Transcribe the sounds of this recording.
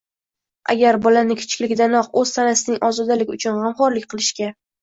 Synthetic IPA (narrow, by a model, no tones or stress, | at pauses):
a̰ɡʲaɾbɒlanɪkʲʰʊ̥t͡ʃʰɪ̥kʲlɪkʲd̪anɒqɵzt̪ʰanasɪnɪŋʔɒzɒd̪alɪɡʲʊt͡ʃʰʊnʁɑmχɒɾlɪk̚ʲqʰɨlˠɪʃkʲa